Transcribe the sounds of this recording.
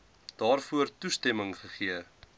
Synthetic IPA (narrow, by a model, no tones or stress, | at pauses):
d̥ɑːrfuərtustɛməŋχəχiə